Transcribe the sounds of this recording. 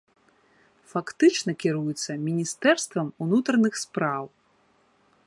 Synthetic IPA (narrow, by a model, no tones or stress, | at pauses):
fakt̪ɨt͡ʂnɐkʲiɾujɛt̪sːɐmʲinʲist̪ɛrst̪vɐmunut̪ɾɐnɨxspɾaw